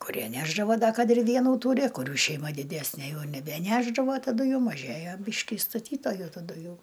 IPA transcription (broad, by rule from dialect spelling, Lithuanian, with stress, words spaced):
kʊˈrʲiɛ ˈnʲæːʒdɐʋoː ˈdɐ ˈkɐt ɪr ˈʋʲiɛnuː ˈtuːrʲɪ kʊˈrʲuː ʃʲɛɪˈmɐ dʲɪˈdʲæːsʲnʲeː ˈjɛʊ nʲɛbʲɛˈnʲæːʒdɐʋoː tɐˈdʊ juː mɐˈʒʲeːjoː ˈbʲiːʃʲkʲɪ ɪ stɐˈtʲiːtoːjʊ tɐˈdʊ ˈjɛʊ